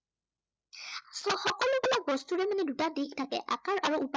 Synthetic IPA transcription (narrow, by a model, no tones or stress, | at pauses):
sɔxɔkɔlʊbulak̚bɔstuɹɛmanɛdutadiktʰakɛ̰ʔa̰kaɹʔaɹuupa